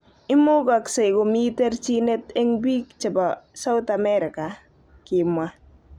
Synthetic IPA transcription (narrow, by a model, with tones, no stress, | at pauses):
ɪ˦mʊ˦ɡa˨kse˨jɡo˨mi˦tɛ˦rt͡ʃi˦nɛ˦tɛ˦ŋbi˦kt͡ʃa˨ba˨sa˦ʊ˦t̪a˨mɛ˦ɾɪ˨ka˨ | kɪ˨mwa˦